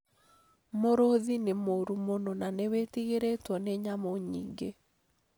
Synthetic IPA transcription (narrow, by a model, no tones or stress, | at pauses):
moɾoðinɪmoɾumononanewetiɡeɾetwɔnɛɲamɔɲḭɡe